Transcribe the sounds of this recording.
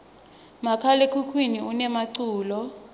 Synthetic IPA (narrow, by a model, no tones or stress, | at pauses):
makʰalekʰukʰwiniunɛmaǀuːlɔ